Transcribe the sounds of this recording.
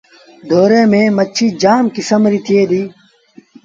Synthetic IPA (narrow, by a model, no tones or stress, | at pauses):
d̪ʱoːɾeːmẽːmət͡ʃʰiːd͡ʒaːmkɪsəmɾiːt̪ʰieːd̪iː